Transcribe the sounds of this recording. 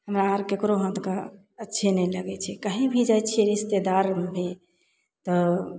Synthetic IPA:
ɦəmɾaːɾkekɾoɦə̃t̪ka | ətːʃʰenɛjləɡɛt͡ʃʰɛkaɦĩbʱid͡ʒajt͡ʃʰeɾist̪ed̪aɾbʱe | t̪ɔ

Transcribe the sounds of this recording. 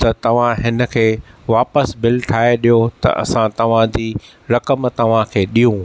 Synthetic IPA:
t̪ɐt̪ɐʋ̤ãɦɪnə̆kʰeːʋaːpəsbɪlʈʰaːeɗijot̪ɐ̰ʔɐ̰sãt̪ɐʋ̤ãd͡ʑiː | ɾɐkəmt̪ɐʋ̤ãkʰeːɗijũ

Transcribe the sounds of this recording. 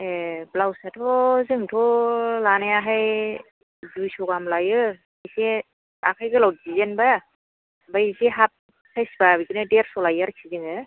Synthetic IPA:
eblawsatʰɔzɯŋtʰɔlanejaɦaj | zujsɔɡamlajɯ | ajse | akʰajɡɯlawt̚zizenba | bajzeɦap̚ | sʰajsbabiɡinɯdeɾsɔlajaɾkʰizɯŋɯ

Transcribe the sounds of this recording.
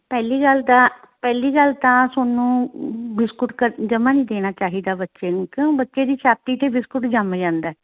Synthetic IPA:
pɛːliːɡəlt̪ãː | pɛːliːɡəlt̪ãːsoːnũːbɪskʊʈkəɾd͡ʒəmãːnĩːd̪eːñaːt͡ʃaːɦiːd̪aːbətːʃeːnũːkõbətːʃeːd̪iːʃaːt̪iːt̪eːbɪskʊʈd͡ʒaːmeːd͡ʒãːnd̪aːɛː

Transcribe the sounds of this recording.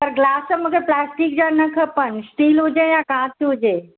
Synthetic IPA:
p̪əɾɡlaːsəmukeplaːsʈik̚d͡ʑanəkʰəpəɳsʈiːlɦud͡ʑejakãːt̪iɦud͡ʑeː

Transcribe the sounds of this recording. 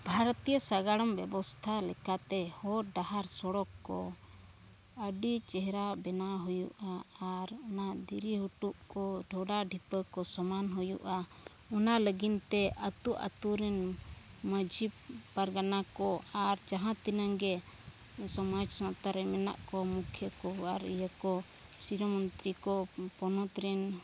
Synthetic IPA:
bʱaɾɔt̪ijəsaɡaɽɔmbɛbɔst̪ʰalɛkat̪ɛhɔɾɖaɦaɾsɔɽɔkːɔ | əɖit͡ʃɛɦɛɾabɛnaɦujuʔaːɾɔnad̪iɾiɦuʈuʔkɔɖʱɔɖaɖʱipəkɔsɔmanɦujṵʔa | ɔnaləɡint̪ɛʔət̪uʔa̰t̪uɾɛnməd͡ʒippaɾɡanakɔaɾd͡ʒaɦãt̪inaŋɡɛ | sɔmad͡ʒsãt̪aɾɛmɛna̰ʔkɔmukʰjəkɔaɾijakɔ | siɾɔmɔnt̪ɾikɔpɔnɔt̪ɾɛn

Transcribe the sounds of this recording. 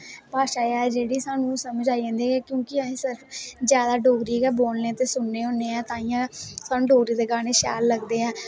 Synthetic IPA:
paːʃaːjaːd͡ʒeːɽiːsaːnũːsəmd͡ʒaːiɛ̃ːnd̪iːɛːkjõːkɪəɦẽːsəɾəpzjaːd̪aːɖoːɡɾiːɡɛːboːlnẽːt̪eːsʊnːeːɦoːneːɛ̃ːt̪ãːijãːsaːnũːɖoːɡɾiːd̪eːɡaːneːʃa̰ːlːəɡd̪eːɛ̃ː

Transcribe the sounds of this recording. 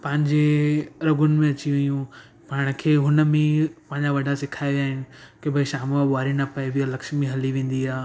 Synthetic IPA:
pɐ̃ɦɪ̃ɲd͡ʑeɾɐɡʊnɪ̆mẽɐt͡ɕiʋɐjũ | paːɽ̃kʰeːɦʊnə̆mẽpɐ̃ɦɪ̃ɲd͡ʑaʋɐɖʱasɪkʰaːiʋijaːɦɪnɪ̆kebʱɐiʃaːmaɓaːɾinɐpɐeʋialɐkʃmĩɦɐliʋẽːn̆d̪iaː

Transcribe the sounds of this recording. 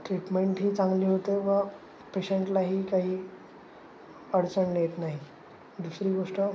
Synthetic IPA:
ʈɾiʈmeɳʈɦiːt͡sãŋɡliːɦot̪eʋə | peɕeɳʈlaɦiːkaɦiː | əɽt͡səɳljet̪naɦi | d̪usɾiːɡoʂʈə

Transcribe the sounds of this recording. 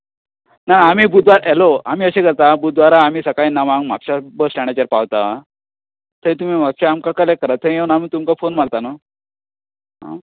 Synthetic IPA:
nanaamiːbud̪ʋaɾɛloam̤iːəɕekəɾt̪abuʋaɾaːm̤iːsəkainaʋãŋɡmakɕabəsʈaɽ̃at͡ɕaɾpaʋt̪a | t̪əĩt̪̬um̤imakɕaamkakəlekːəɾat̪ʰəeənam̤iːt̪umkafonmaɭt̪anə | ɦa̰

